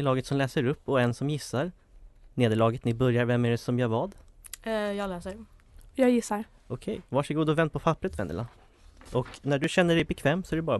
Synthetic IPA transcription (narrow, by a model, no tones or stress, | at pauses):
lɑːɡət̪sɔmlɛːsəɾɵpːɔɛnsɔmjɪsːaɾ | neːd̪əɭɑːɡət̪nɪbœɾjaɾvɛmːæɖɛsɔmjɑːvɑːd̪ | jɑːɡlɛːsəɾjɑːɡjɪsːaɾ | ʔɔkʰɛjvaʂəɡuːd̪ɔvɛnd̪̚pʰɔpʰapːɾət̪vɛnd̪ə̰la | ʔɔknæɖɵɕɛnːəɖɛjbɛkʰvɛːmsɔæɖɵbɑːɾa